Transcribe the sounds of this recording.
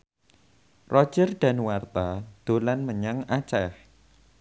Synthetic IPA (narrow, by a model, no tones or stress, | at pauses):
rʔɔ̥ʒ̥ərɖ̪̥a̤nwart̪ad̪̥o̤lanməɲaŋat͡ʃɛh